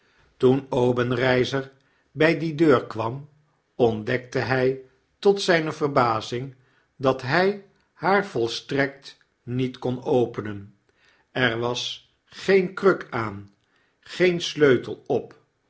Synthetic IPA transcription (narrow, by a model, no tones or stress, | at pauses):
tunowbənrɛjzəɹ | bɛjdidøːɹkʋɑm | ɔndɛk̚təɦɛj | tɔtsɛjnəvərbaːzɪŋ | dɑtɦɛj | haːɹvɔlˠstrɛk̚t | nitkɔnowpənən | ɛɹʋɑs | χejnkrøkʰaːn | χejnsløɥtəlˠɔp